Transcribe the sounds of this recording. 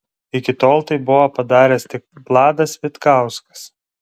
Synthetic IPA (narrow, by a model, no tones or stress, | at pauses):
ɪkʲɪt̪oːlˠt̪ɐɪbʊʋopɐd̪ɑːɾʲɛst̪ʲɪk̚plˠɑːd̪ɐsʋʲɪt̪kɑˑʊskɐ̥s